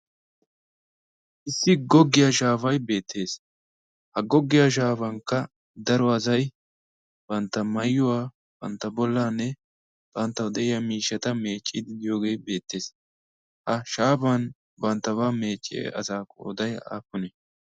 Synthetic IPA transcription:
ʔɪsːɪɡɔɡːɪjaʃaːfɐjbe̞ːt̪ʰːe̞ːs | hɐɡɔɡːɪjaʃ̬aːfɐŋkːɐ | d̪ɐɾɔɐz̬ɐj | b̥ɐnt̪ːɐmɐjːʊwaː | b̥ɐ̰nt̪ːɐbɔlːaːnːɛ | b̥ɐnt̪ːɐwd̪ɛʔɪjɐmiːʃːɐt̪ɐme̞ːt͡ʃʼːɪd̪ɪɪjo̞ːɡe̞ːjbe̞ːt̪ːe̞ːs | hɐʃaːfɐn | bɐnt̪ːɐβame̞ːt͡ʃʼːɪ̰ɐ̰saːkːɔɔ̰d̪ɐja̰ːpːʊnɛ

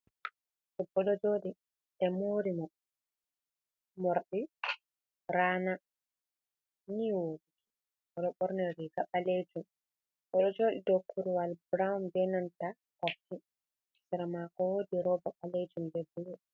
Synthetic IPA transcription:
ʔɛbɔɗɔd͡ʒoɗi | ɛmoːɾimɔ | mɔɾɗi | ɾaːna | niwoːdiki | ɔɗɔɓɔɾnɛɾiɡaɓaled͡ʒum | bɔɗɔd͡ʒoɗidokːuɾuwalbɾawunbɛnanta | kafi | sɛɾamakɔwodiɾɔbaɓaled͡ʒumbɛbulu

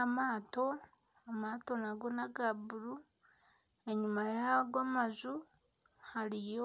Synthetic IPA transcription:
amaːto̞ | amaːto̞naɡo̞naɡabuɾu | eɲumajaɡwamazu | halijo

